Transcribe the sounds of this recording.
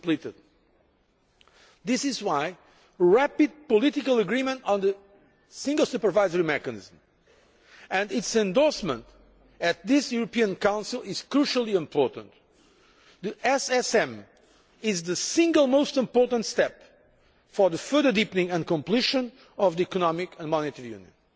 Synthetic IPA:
plitɪd̪̚ | ðɪsɪzwaɪ | ɹæpid̪̚pɔlɪtɪkəlˠəɡɹimə̃ntn̩ðɨ | sɪ̃ŋɡəl̩ˠsupə˞vaɪzəɹimɛkɨnɪ̰zm̩ | ɨ̃ndɪtsɛ̃nd̪ɔɹsmə̰̃nt̪ | ɨt̪̚ðɪsjuɾɨpiɨ̃nkãʊ̃nsilˠɪz̥kɹuʃəlˠiɪ̃mpʰɔɹtə̰̃nt̪ | ðiʔɛsɛsɛ̃m | ɪzðɨsɪ̃ŋɡəlˠmoʊstɪ̃mpɔɹtə̃nt̪st̪ɛp | fɔ˞ðəfɜ˞ðə˞dipnĩŋɨ̃nkɔ̃mpliʃə̃n | ʌvðiikɔnɔmɪkʰə̃nmɔnɪt̪ʰɛɹijʉ̰̃njɨ̰̃n

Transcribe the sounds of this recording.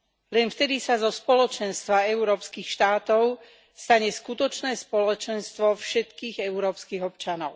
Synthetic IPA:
lɛnft̪ɛd̪isazɔspɔlɔt͡ʃɛnst̪ʋaɛuɾɔːpskixʃt̪aːt̪ɔʊ | st̪aɲɛskut̪ɔt͡ʃnɛːspɔlɔt͡ʃɛnst̪ʋɔfʃɛt̪kiːɣɛʊɾɔːpskiːɣɔpt͡ʃanɔʊ

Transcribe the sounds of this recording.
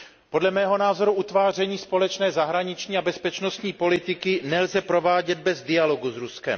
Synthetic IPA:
po̞dlɛmɛːɦo̞naːzo̞ɾuʔut̪vaːr̝ɛɲiːspo̞lɛt͡ʃnɛːzaɦɾaɲɪt͡ʃɲiːabɛspɛt͡ʃno̞st̪ɲiːpo̞lɪt̪ɪkɪnɛlzɛpɾo̞vaːɟɛd̪̚bɛzdɪjalo̞ɡuzɾuskɛ̰m

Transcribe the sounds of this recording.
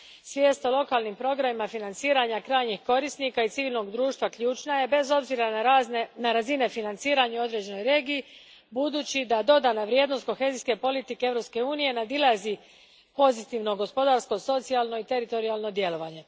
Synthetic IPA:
sʋje̞ːst̪olˠo̞kalˠnimpɾo̞ɡɾamimafinant̪siːɾaɲakɾaːjɲixko̞ɾist̪nikait̪siʋiːlno̞ɡd̪ɾuːʃt̪ʋakʎuːt͡ʃnaje̞be̞zo̞bziɾanaɾazine̞finant̪siːɾaɲuo̞d̪ɾe̞d͡ʑe̞no̞jɾe̞ːɡijː | bud̪uːt͡ɕid̪ad̪o̞d̪anaʋɾje̞ːd̪nost̪ko̞xe̞ziske̞po̞lit̪ikeevɾo̞pske̞uːnije̞nad̪ilˠazi | po̞zit̪iʋno̞ɡo̞spo̞d̪aɾsko̞so̞t̪sialno̞it̪e̞ɾit̪o̞ɾialˠno̞d̪je̞lo̞ʋaɲe̞

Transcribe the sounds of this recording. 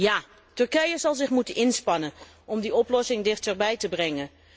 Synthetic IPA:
jaː | tɵɹkɛjəzɑlˠzɪχmutənʔɪnspɑnən | ɔmdiɔplɔsɪŋdɪχtəɹbɛjtəbrɛŋə

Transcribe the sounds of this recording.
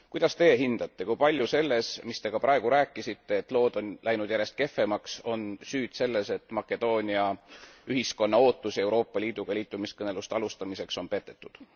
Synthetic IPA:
kujd̪̥ɑst̪e̞ːɦind̪̥ɑt̪ˑːe̞kujpɑlʲjuse̞lːe̞smist̪e̞ɡ̥ɑpɾʔɑe̞ɡ̥uɾæːkːˑisit̪ːe̞ːt̪ːˑlo̞ːd̪o̞nlʔæjnud̪̥jæɾe̞st̪̚ke̞fːe̞mɑkso̞nsyːd̪̥se̞lːe̞se̞t̪ːˑmɑkːˑe̞d̪̥o̞ːnʲiɑyɦisko̞nːɑo̞ːt̪ːˑusie̞wɾo̞ːpːˑɑliːd̪̥uɡ̥ɑliːt̪ˑːumiskɤnelust̪eɑlust̪ɑmise̞kso̞npe̞t̪ːˑe̞t̪ːˑud̪̥

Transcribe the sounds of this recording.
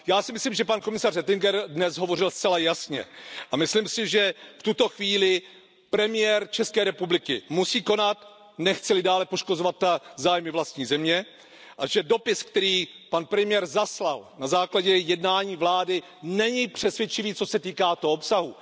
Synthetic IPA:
jaːsɪmɪslimʒɛpankomɪsarɛt̪ɪŋɡɛɾdnɛsɦo̞vo̞rɪlst̪t͡sɛlajasɲɛ̰ʔamɪslimsɪʒɛft̪ut̪o̞xviːlɪ | pɾɛmɪjɛɾt͡ʃɛskɛːɾɛpublɪkɪmusiːko̞nat̪ | nɛxt͡sɛlɪdaːlɛpoʃko̞zovat̪ːazaːjmɪvlast̪ɲiːzɛmɲɛ | ʔaʒɛdo̞pɪskt̪ɛɾiːpanpɾɛmɪjɛɾzaslalnazaːklaɟɛjɛdnaːɲiːvlaːdɪ | nɛɲɪpr̝̥ɛsvʲjɛt͡ʃɪviːt͡so̞sɛt̪iːkaːt̪oɦoopsaɦu

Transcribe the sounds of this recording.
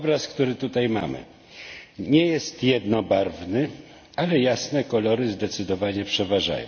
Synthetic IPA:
ɔbɾaskt̪uɾɘt̪ut̪ajma̰mɘ̰ | ɲɛjɛst̪jɛd̪nɔbaɾvnɘ | alɛjasnɛkɔlɔɾɘzd̪ɛt̪sɘd̪ɔvaɲɛpʂɛvaʐa̰jɔ̰̃

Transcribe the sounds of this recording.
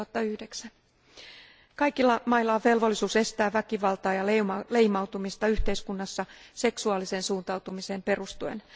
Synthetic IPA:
ɑt̪ːɑyhdeksæn | kɑjkilːɑmɑilːɑʋe̞lʋolːisuːse̞st̪æːʋækiʋɑlt̪ɑːjɑlleimɑuwt̪umist̪ɑyht̪e̞iskunːɑsːɑse̞ksuɑːliseːnsuːnt̪ɑwt̪umise̞ːmpe̞rust̪uḛn

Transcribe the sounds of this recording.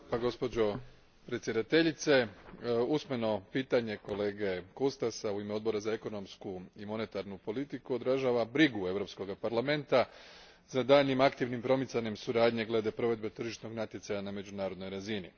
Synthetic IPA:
paɡo̞spo̞d͡ʑo̞ | pɾet̪sje̞d̪at̪e̞ʎit̪se̞usme̞no̞piːt̪aɲe̞ko̞le̞ːɡe̞kost̪asauimeo̞d̪bo̞ɾazae̞ko̞no̞mskuimo̞ne̞t̪aɾnupo̞lit̪ikuo̞d̪ɾaʒaʋabɾiɡue̞ʋɾo̞psko̞ɡapaɾlˠame̞nt̪a | zad̪aːʎimakt̪iʋnimpɾo̞mit̪saɲe̞msuɾaːd̪ɲe̞ɡle̞d̪e̞pɾo̞ʋe̞d̪̚be̞t̪r̩ʒiʃno̞ɡnat̪jesajaname̞d͡ʑunaːɾod̪no̞jɾazini

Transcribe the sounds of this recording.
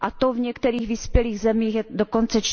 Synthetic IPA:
ʔat̪ovɲɛkt̪ɛɾiːɣvispjɛliːɣzɛmiːxjɛdoko̞nt͡sɛt͡ʃ

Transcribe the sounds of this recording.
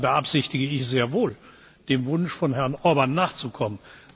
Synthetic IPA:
bəʔapz̥ɪçtɪɡəɪçz̥eːɐvoːl | d̥eːmvʊnʃfɔnɦɛɐnʔɔɐbanːaːχt͡sukʰɔmən

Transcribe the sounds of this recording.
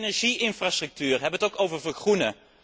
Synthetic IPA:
nɛɹʒiɪnfrastrɵk̚tyːrɦɛbənətowkowvəɹvəxrunə

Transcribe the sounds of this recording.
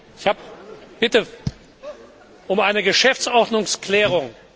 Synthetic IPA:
ɪçhaːpb̥ɪtə | ʔʊmaɪnəɡəʃɛft͡sɔʁdnʊŋsklɛːʁʊŋ

